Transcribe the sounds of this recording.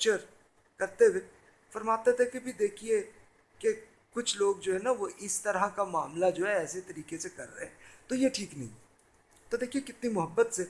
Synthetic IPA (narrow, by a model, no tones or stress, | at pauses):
t͡ʃəɾ | kɐɾt̪ee | fɐɾmaːt̪et̪ʰekebʱid̪eːkʰie | ke | kʊt͡ʃʰloːɡd͡ʒoːɦɛnaʋoʔɪst̪ɐɾakamaːmlad͡ʒoːɦɛɛːset̪ɐɾiːkesekɐ̰ɾːəɦeɦɛ̃ːt̪ojeʈʰiːknɐ̰ɦḭ̃ | t̪od̪eːkʰiekɪt̪nimʊɦəbːət̪se